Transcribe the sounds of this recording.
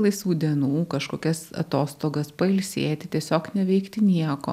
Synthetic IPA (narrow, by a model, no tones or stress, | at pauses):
lˠɐɪsʋuːd̪ʲiɛnuːkɐʃkoːkʲɛsɐ̰t̪oːst̪oːɡɐspɐɪlʲsʲeːt̪ʲɪt̪ʲiɛsʲoːknʲɛʋʲɛɪkt̪ʲɪnʲiɛko̰ː